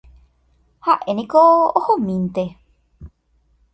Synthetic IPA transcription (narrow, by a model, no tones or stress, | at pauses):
haʔe̞nĩkoohõmĩnt̪e̞